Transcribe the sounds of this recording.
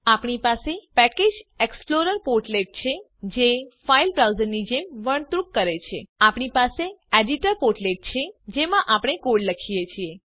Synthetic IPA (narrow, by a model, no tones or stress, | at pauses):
apɳipasepɛked͡ʒeksploɾəɾpoɾʈleʈ̚t͡ʃʰe | d͡ʒefailbɾawzəɾnid͡ʒemʋəɳ̃t̪ɾukːəɾet͡ʃʰḛapɳipaseɛɖiʈəɾpoɾʈleʈ̚t͡ʃʰed͡ʒemãʔapɽ̃ekoɽləkʰijet͡ʃʰie